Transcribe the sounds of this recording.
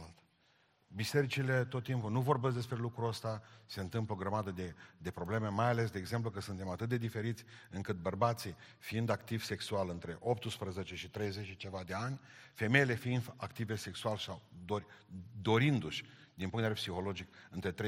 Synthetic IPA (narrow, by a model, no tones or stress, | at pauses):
at̪ | bise̞ɾit͡ʃile̞t̪o̞t̪ːimpunuvo̞rbesʲd̪e̞spɾe̞lukɾuəst̪ase̞ɨnt̪ɨmploɡɾəmad̪əd̪ed̪e̞pɾo̞ble̞memajale̞sd̪eeɡze̞mp̬lukəsunt̪e̞mat̪ɨt̪̚d̪e̞d̪ife̞ɾit̪sʲɨŋkɨt̪̚bərbat̪si | fiind̪akt̪iv̥se̞ksualɨnt̪ɾe̞ʔo̞p̚t̪ɨspɾəze̞t͡ʃe̞ʃit̪ɾe̞jze̞t͡ʃt͡ʃe̞vad̪e̞anʲ | fe̞me̞jle̞fiind̪akt̪ive̞se̞ksualsawd̪oɾʲd̪o̞ɾind̪uʃʲd̪inpuŋt̪eveepsixo̞lo̞d͡ʒikɨnt̪ɾe̞t̪ɾe